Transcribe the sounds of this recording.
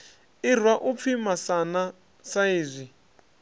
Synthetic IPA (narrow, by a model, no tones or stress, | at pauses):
ir̤waʔup̪fʰimasana | saiːzʷi